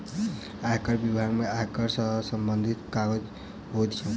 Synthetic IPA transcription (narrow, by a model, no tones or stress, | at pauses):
aɦkəɾbibʱaɡmeakəɾsəɦsəmbənd̪ʱit̪kaɡəd͡ʒ | ɦot̪t͡ʃʰə